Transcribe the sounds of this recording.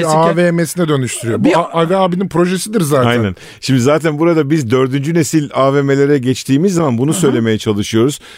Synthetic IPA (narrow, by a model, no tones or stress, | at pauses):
avemesinɛd̪ø̞nyʃt̪ʰyɾyjobuaavɛaːbininpɾo̞ʒesid̪iɾzaːtajnnæn | ʃimd̪izaːt̪ʰænbuɾad̪abizd̪ø̞ɾd̪ynd͡ʒyne̞silʲaːveme̞lʲeɾɛɟɛt͡ʃt̪ʰiːmizːamanbunusø̞jlʲe̞me̞jɛt͡ʃʰalˠɯʃɯjo̞ɾuz̥